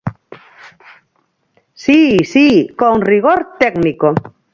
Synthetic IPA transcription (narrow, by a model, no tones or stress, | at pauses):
sisikoŋriɣ̞oɾt̪eɡniko